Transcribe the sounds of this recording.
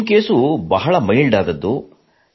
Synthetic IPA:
mkeːsubɐɦɐɭɐmɐjɭɖaːd̪ɐd̪ːu

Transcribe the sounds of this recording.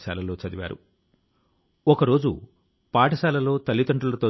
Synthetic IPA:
sa̰ːlɐlo̞ːt͡ʃɐd̪iʋa̰ːɾṵ | ɔkɐɾo̞ːd͡ʒṵ | paːʈɐsaːlɐlo̞ːt̪ɐlːit̪ɐɳʈulɐt̪o̞ː

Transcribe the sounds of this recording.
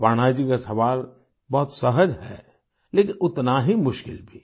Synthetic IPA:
paɽ̃ad͡ʒikasɐʋaːl | bɔɦʊt̪səɦəd͡ʒɦɛ̰ː | leːkɪ̃nʊt̪naɦimʊʃkɪ̰lbʱi

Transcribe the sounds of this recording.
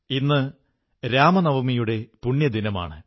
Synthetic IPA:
inːɨ | ɾaːmɐnɐʋɐmijuɽe̞puɳːjɐd̪ʱinɐma̰ːɳɨ

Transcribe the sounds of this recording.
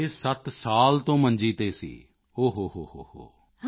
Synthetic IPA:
ɪsət̪saːlt̪õːməɲd͡ʒiːt̪eːsḭː | oːɦoːɦoːɦoːho̰ː

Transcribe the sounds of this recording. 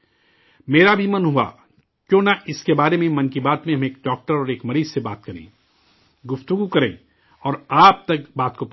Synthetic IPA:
meːɾabʱimɐnɦua̰ | kjõːnaʔɪskebaːɾemẽmɐ̃nkibaːt̪mẽɦɐmeːk̚ɖɔːk̚ʈəɾɔːɾeːkmɐɾiːzsebaːt̪kɐɾḛ̃ | ɡʊft̪ʊɡukɐɾḛ̃ː | ɔːɾaːp̚t̪ɐk̚baːt̪kop

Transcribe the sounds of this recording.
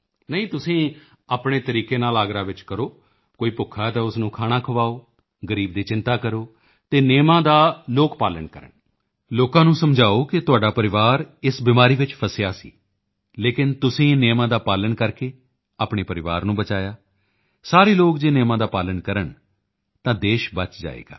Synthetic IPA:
nəĩːt̪ʊsĩː | aːpɳeːt̪əɾiːkeːnaːlaːɡɾaːʋɪt͡ʃkəɾoː | koːiːpʊkʰːaːt̪ãːʊsnũːkʰaːɽ̃aːkʰəʋaːoː | ɡəɾiːbd̪iːt͡ʃɪnt̪aːkəɾoː | t̪eːneːmãːd̪aːloːkpaːləɳkəɾə̰ɳ | loːkãːnũːsəmd͡ʒaːoːkɪt̪ʊaːɖaːpəɾɪʋaːɾɪsbɪmaːɾiːʋɪt͡ʃpʰəsɪjaːsḭː | leːkɪnt̪ʊsĩːneːmãːd̪aːpaːləɳkəɾkeː | aːpɳeːpəɾɪʋaːɾnũːbət͡ʃaːjaː | saːɾeːloːkd͡ʒeːneːmãːd̪aːpaːləɳkəɾəɳ | t̪ãːd̪eːʃbət͡ʃd͡ʒa̰ːḛːɡa̰ː

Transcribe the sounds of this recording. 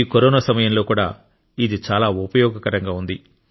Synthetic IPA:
koɾɔːnasɐmɐjɐmlo̞ːkuːɽa̰ː | id̪it͡ʃaːlaːupɐjɔːɡɐkɐɾɐŋɡaːund̪i

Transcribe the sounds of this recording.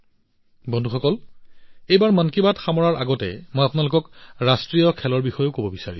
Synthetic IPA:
bɔndʱuxɔkɔl | ejbaɹmankibatxamɔɹaɹaɡɔtɛ̰mojapʊnalʊkɔkɹastɹijɔkʰɛlɔɹbixɔjokobɔbisaɹḭ

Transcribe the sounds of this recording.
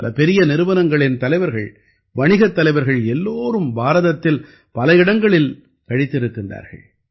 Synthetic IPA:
lɐpɛɾɪjɐnɪɾɯʋɐnɐŋɡɐɭɪnt̪ɐlɐɪʋɐɾɣɐɭ | ʋɐɳɪɣɐt̪ːɐlɐɪʋɐɾɣɐɭɛlːoːɾɯmbaːɾɐðɐt̪ːɪl | pɐlɐjɪɽɐŋɡɐɭɪl | kɐɽɪt̪ːɪɾɯkːɪndra̰ːɾɣɐ̰ɭ

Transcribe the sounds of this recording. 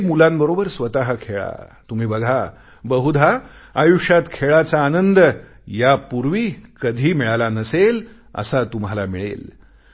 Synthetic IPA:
mulambəɾobəɾsʋət̪aɦəkʰeɭa̰t̪um̤iːbəɡʱa | bəɦud̪ʱaajuʂjat̪kʰeɭat͡saːnənd̪ | japuɾʋiːkəd̪ʱiːmiɭalanəsel | ə̰sat̪umɦalamiɭḛl

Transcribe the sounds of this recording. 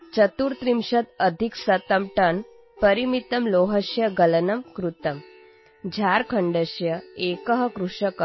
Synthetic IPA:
t͡ɕət̪uɾt̪ɾimɕɐt̪əd̪ʱiksɐt̪əmʈɐn | pəɾimit̪ɐmloɦəɕjɐɡɐlənɐmkɾut̪əm | d͡ʑʱaɾkʰəɳɖəɕjɐekəɦɐkɾuʂəkə

